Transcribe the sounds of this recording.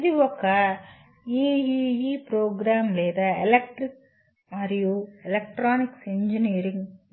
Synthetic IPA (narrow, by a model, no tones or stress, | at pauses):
ðiʋɔkːa | iiipɾoːɡɾaːmleːðɐɛlɛk̚ʈɾɪk | aɾijoːɛlɐk̚ʈɾaːnɪksɛɲd͡ʒiniːɾɪŋ